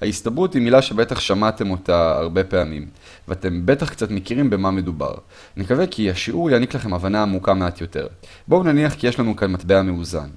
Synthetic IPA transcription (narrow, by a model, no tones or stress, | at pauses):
haistabʁuthimilaʃe̞betaχʃamate̞mo̞taa̰ʁbe̞pe̞amim | veate̞mbe̞taχkt͡satmekiʁimbe̞mame̞duba̰ʁ | nikave̞kʰiaʃiʔuʁjaniklaχe̞mavanaːmukame̞at̪jo̞te̞̰ʁ | bounaniaχkije̞ʃlanukanmatbeameuza̰n